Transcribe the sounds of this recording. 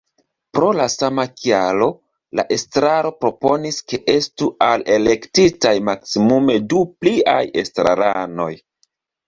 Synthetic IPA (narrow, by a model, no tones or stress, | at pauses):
pɾo̞lasamakialo̞ | la̰ʔe̞stɾaɾo̞pɾo̞po̞niske̞ʔe̞stuale̞le̞ktitajmaksimume̞duplia̰je̞stɾa̰ɾano̞j